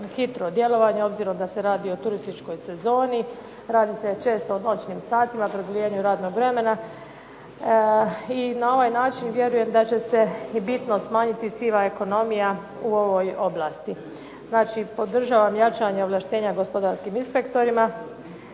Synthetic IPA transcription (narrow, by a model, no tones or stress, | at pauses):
xit̪ɾod̪je̞lo̞ʋaɲeo̞bziɾo̞md̪ase̞ɾaːd̪io̞t̪uɾist̪it͡ʃko̞jse̞zo̞ːni | ɾaːd̪ise̞t͡ʃe̞ːst̪o̞no̞t͡ʃnimsaːt̪imapɾod̪olijeɲuɾaːd̪no̞ɡʋɾe̞me̞na | inao̞ʋaːjnaːt͡ʃinʋje̞ɾuje̞md̪at͡ɕe̞se̞bit̪no̞smaːɲit̪isiʋae̞ko̞no̞mija | uo̞ʋo̞jo̞blˠaːst̪i | znaːt͡ʃipo̞d̪r̩ʒaːʋamjat͡ʃaɲeolˠaʃt̪e̞ːɲaɡo̞spod̪aɾskiminspe̞kt̪o̞ɾima